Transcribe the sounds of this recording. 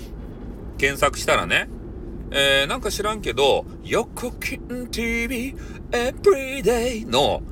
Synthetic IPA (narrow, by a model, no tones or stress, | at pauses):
kẽ̞ɰ̃sakɯ̟ɕi̥t̪aɾa̰ne̞ | eːnãŋkaɕiɾãŋke̞d̪o̞ | jokʰːɯkʲʰint̪ibi | ebɾid̪ejno